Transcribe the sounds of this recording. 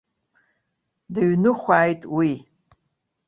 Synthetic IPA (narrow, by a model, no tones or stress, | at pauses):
dɨɥnɨχʷaːjtʼwi